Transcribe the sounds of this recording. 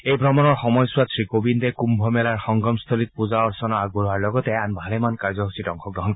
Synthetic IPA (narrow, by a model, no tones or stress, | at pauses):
ejbʱɹɔmɔnɔɹxɔmɔjsʊwatsɹikobind̪ɛkumbʱɔmɛlaɹxɔŋɡɹɔmst̪ʰolit̪̚puzaɔɹsɔnɔaɡ̚boɹɦaɹlɔɡɔt̪ɛanbʱalɛmankaɹzɔkɦusʰitɔŋxʰɔk̚dɔɦɔnk